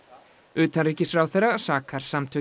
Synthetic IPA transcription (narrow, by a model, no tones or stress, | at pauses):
ʏːt̪anɾriːcɪsfɾaːwθejrːasaːkʰaɾ̥samt̪ʰœ